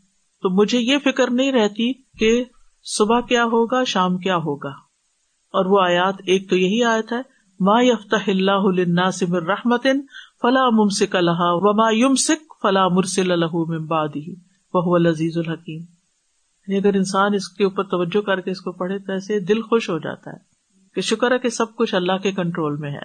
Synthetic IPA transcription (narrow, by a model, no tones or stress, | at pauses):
t̪oːmʊd͡ʒʱejefɪkəɾnɐɦĩɾɛɦt̪i | ke | sʊbakjaːɦoːɡaʃaːmkjaːɦoːɡaː | ɔːɾʋoaːjaːt̪eːk̚t̪ojɐɦiaːjət̪ɦɛː | maːjɐft̪ɐhɪlːaːɦʊlɪnːaːsɪmɪ̃nɾɐħmɐt̪ɪnfɐlaːmʊmsɪkalɐɦaʋɐmaːjʊmsɪkfɐlaːmʊɾsɪlalɐɦumɪ̃nbaʕd̪ɪɦi | ʋɐɦʊʋɐlɐziːzɐlɦɐkiːm | jaːniɐɡəɾɪnsaːnɪskeuːpəɾt̪ɐʋɐd͡ʒːokɐɾkeɪskopɐɽet̪oɛːsed̪ɪlxoʃɦod͡ʒa̰ːt̪a̰ɦɛ̰ː | keʃʊkəɾɦɛkesɐb̚kʊt͡ʃʰɐlːaɦkekɐ̃ɳʈɾoːlmẽɦɛ̰ː